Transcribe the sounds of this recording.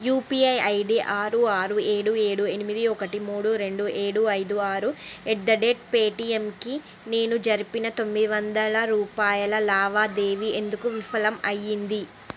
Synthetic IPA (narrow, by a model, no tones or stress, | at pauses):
juːpiɐjɐjɖiʔaːɾuaːɾue̞ːɽue̞ːɽue̞nimid̪iɔkɐʈimuːɽuɾe̞ɳɖuʔeːɽuɐjd̪uaːɾuɛʈd̪ɐɖeʈ̚peːʈiemki | ne̞ːnud͡ʒɐɾipinɐt̪o̞mːid̪iʋɐnd̪ɐlɐɾuːpaːjɐlɐlaːʋaːd̪eːʋie̞nd̪ukuʋifʰɐlɐmɐjːind̪i